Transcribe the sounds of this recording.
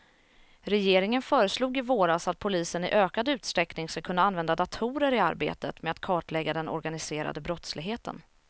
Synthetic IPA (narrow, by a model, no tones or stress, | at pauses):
ɾɛjeːɾɪŋənfœːɾəsluːɡɪvoːɾasat̪̚pʰʊliːsənɪ̰ʔøːkad̪ʉ̟ːt̪st̪ɾɛknɪŋskakʰɵnːaanvɛnd̪ad̪at̪ʰuːɾəɾɪa̰ɾbḛːt̪ət̪mɛat̪kʰɑːʈlɛɡːad̪ɛnɔ̰ɾɡanɪseːɾa̰d̪əbɾɔt̪slɪɡɦeːt̪ə̰n